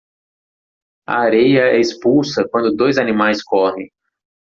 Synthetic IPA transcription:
ɐ̰aɾejɐɛispulsɐkwɐ̃nd̪ʊd̪ojzanĩmajskɔhẽj̃

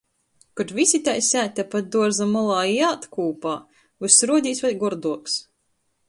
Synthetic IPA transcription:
kut̪vʲisʲit̪ajsʲæːt̪ʲapat̪̚d̪uɔɾzamɔlˠaːiaːt̪kuːpaː | vɨsɾuɔd̪ʲiːsvajɡɔɾd̪uɔks

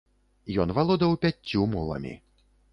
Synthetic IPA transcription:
jɔnvalˠɔd̪ɐwpʲat͡sʲːumulˠɐ̰mʲḭ

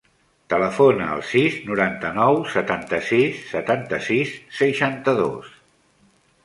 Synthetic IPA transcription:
t̪ələfonəə̰lˠsiznuɾant̪ənɔwsət̪ant̪əsisːət̪ant̪əsisːəʃant̪əðo̰s

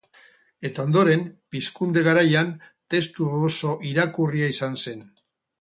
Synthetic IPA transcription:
e̞t̪ao̞nd̪o̞ɾe̞mpiskund̪e̞ɣaɾajan | t̪e̞st̪uoso̞ʔiɾakuriaisanse̞n

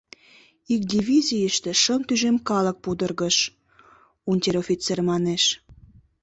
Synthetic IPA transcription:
ik̚d̪ʲivʲizʲijəʃt̪ĕʃənt̪yʒemkɑlək̚pud̪ərɣəʃ | unʲtʲeɾofʲit͡sermɑneʃ

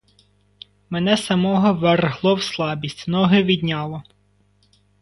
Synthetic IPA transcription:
menɛsɐmɔɦɔʋɛrɦlˠɔwslˠɑbʲisʲtʲnɔɦɪʋʲid̪ʲnʲɑlˠɔ

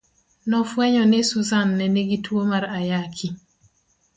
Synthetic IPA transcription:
nɔfwɛɲɔnesuzanːɛneɡitʰwomaɾajakʰi

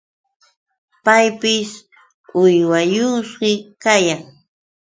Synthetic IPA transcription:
pajpɪs | ʊjwajʊsɢɪkajaŋ

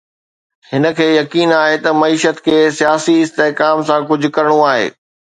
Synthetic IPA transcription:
hɪnə̆kʰeːjɐkiːnaːɦet̪ɐmɐiːʃət̪kʰeːsijaːsiɪst̪eɦkaːmsãk̬ʊd͡ʑʱʊ̆kɐɾəɽ̃õaːɦḛː

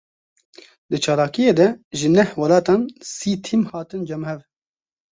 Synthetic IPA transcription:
d̪ɨt͡ʃʰɑːlaːkijeːd̪ɛʒɨnɛhwɐlɑːt̪ɑːnsiːt̪ʰimhɑːt̪ɨnd͡ʒɛmhɛv

